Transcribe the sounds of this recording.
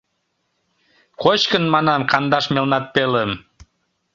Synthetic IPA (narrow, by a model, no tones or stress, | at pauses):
kot͡ɕkənmɑnɑmkɑnd̪ɑʃmelnɑt̪̚peləm